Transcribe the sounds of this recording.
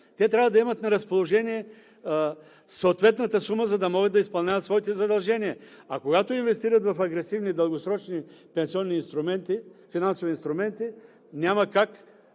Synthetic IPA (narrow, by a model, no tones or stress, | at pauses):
t̪ɛt̪ɾʲavəd̪ɐɛmɐt̪nɐɾɐspolˠoʒɛniɛ | soot̪vɛt̪nɐt̪əsuməzɐd̪ɐmɔɡəd̪ɐispɐlˠnʲavɐt̪svɔit̪ɛzɐd̪ɐlˠʒɛniɛ | akoɡat̪oinvɛst̪iɾɐt̪vɐfɐɡɾɛsivnid̪ɐlˠɡosɾɔt͡ʃnipɛnsiɔnːiːnst̪ɾʊmɛnt̪ifinansovinst̪ɾʊmɛnt̪i | nʲamɐkak